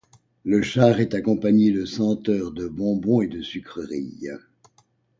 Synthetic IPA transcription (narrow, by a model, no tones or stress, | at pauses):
ləʃaʁɛt̪akɔ̃paɲed̪əsɑ̃t̪œːʁd̪əbɔ̃bɔ̃ed̪əsykχəʁḭj